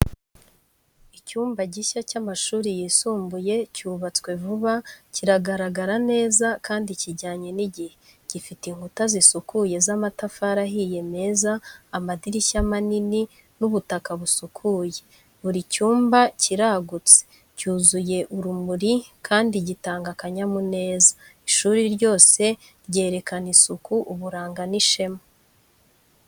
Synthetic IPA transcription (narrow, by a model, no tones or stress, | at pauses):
icuːmbaɟiʃacamaʃuːɾijisuːmbuje̞cuːβat͡swe̞vuβaciɾaɡaɾaɡaɾane̞ːzakaːndiciɟaːɲe̞niɟihe | ɟ̥ifitiŋhɡutazisukuje̞zamatafaɾaɦije̞me̞zaːmadiɾiʃamanini | nuβutakaβusukʰuːje̞ | βuɾicuːmbaciɾaɡut͡se̥ | cuːzuje̞ʔuɾumuɾikʰaːndiɟitaːŋɡakaɲamune̞ːzḁiʃuːɾiɾɟo̞ːse̞ | ɾɟe̞ːɾe̞kanisukuʔuβuɾaːŋɡaniʃe̞mo